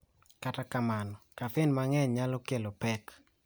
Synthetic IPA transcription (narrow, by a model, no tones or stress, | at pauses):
katakamanɔkafɪnmaŋɛɲɲalɔkelopɛk